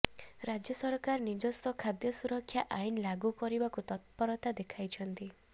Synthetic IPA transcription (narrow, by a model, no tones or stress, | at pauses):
ɾad͡ʒjɔsɔɾkaɾɔnid͡ʒɔst̪ɔkʰad̪jɔsuɾɔkʰːjaʔainlaɡukɔɾibakut̪ɔt̪̚pɔɾɔt̪ad̪ekʰajt͡ʃʰɔnt̪i